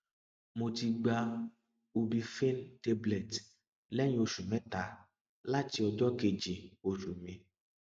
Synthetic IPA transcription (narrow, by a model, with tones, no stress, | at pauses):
mo˨t̪i˧ɡ͡ba˧ | o˨bi˧fe˦nte˦blɛ˨t | lɛ˦ɲ̃˦o˨ʃu˨mɛ̃˦ta˨ | la˦ti˨ɔ˨dɔ˦ke˨d͡ʒi˨o˨ʃu˨mĩ˨